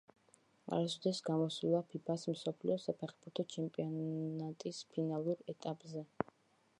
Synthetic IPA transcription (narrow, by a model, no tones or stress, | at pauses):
a̰ɾsɔd̪ɛsɡamɔsulˠapʰipʰasm̩sɔpʰliɔsapʰɛχbuɾt̪ʰɔt͡ʃʰɛmpʼiɔat̪ʼispʰinalˠuɾɛt̪ʼapʼzɛ